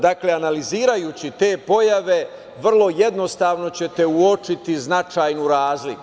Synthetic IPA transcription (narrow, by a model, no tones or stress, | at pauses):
d̪akle̞analiziːɾajut͡ɕit̪e̞ːpo̞jaʋe̞ | ʋr̩lˠo̞jed̪no̞st̪aːʋno̞t͡ɕe̞t̪e̞uot͡ʂit̪iznat͡ʃaːjnuɾaːzliku